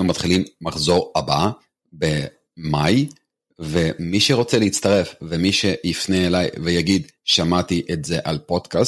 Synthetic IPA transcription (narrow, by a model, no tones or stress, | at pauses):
umat̪χilimmaχzo̞ʁaba | be̞ | maj | ve̞miʃeʁo̞t͡seleit͡st̪aʁe̞fvemiʃe̞jifneːlajvejaɡid̪ | ʃamat̪iʔetze̞ʔalpo̞dkas